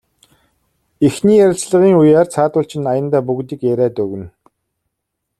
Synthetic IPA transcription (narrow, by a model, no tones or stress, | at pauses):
exniːjæɾʲɪ̆ɬt͡sɮə̆ʁiːŋujaːrt͡sʰaːt̪ʊːɬt͡ɕʰɪ̆najə̆nt̪æːpuɣt̪iːkeɾæːt̪ɵɣɘ̆n